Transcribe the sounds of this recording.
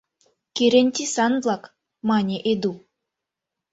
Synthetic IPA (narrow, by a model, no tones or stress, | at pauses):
kʲeɾenʲt̪ʲisanblˠak | manʲeʔed̪u